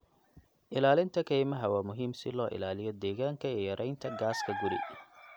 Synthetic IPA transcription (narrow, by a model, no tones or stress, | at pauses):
ʔɪlaːlɪnt̪ʰɐkʰɛjmɐɦɐwaːmʊɦiːmsɪ̰lɔːʔɪ̰laːlɪjɔd̪ɛːɣaːŋkʰɐiːjɐɾʔɛjnt̪ʰɐɡaːskʰɐɡʊɾɪ̰